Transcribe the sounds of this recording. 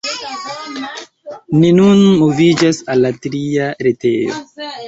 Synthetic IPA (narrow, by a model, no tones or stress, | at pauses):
ninunmuvid͡ʒasalːatɾiaɾete̞̰jo̰